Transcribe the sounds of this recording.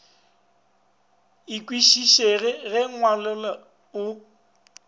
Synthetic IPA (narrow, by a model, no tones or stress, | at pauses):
ikʼwiʃiʃeɣɪɣɛŋwalʊla | ʊ